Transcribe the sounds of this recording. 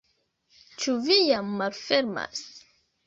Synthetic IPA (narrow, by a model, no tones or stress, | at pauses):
t͡ʃuvijamːalfeɾma̰s